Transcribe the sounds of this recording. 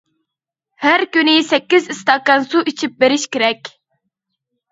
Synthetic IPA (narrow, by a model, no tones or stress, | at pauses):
hæɾkʲynɪsɛkʲːizist̪ɑkɑnsuʔit͡ʃʰip̚beɾɪʃkʲeɾɛkʲ